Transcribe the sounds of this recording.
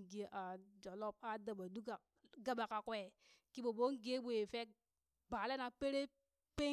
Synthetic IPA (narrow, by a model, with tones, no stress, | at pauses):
ɡe˦ʔa˨d͡ʒo˨lo˦p̚a˦da˨ba˨du˦ka˨ | ɡa˦ba˨ka˨kwɛ˨ | ki˦ɓo˨bo˦ŋ˦ɡe˦ɓu˨e˨fe˦k̚ | ba˨le˦na˨pe˦ɾe˦ | pe˦